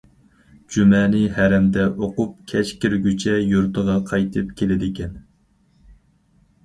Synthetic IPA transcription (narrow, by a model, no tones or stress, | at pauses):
d͡ʒymɛnɪhæɾɛmd̪ɛʔoqup̚kʲʰɛt͡ʃkʲɪɾɡʲyt͡ʃʰɛjuɾt̪ʰəʁɑqʰɑjt̪ʰɨpkʲʰelɪd̪ɪkʲɛn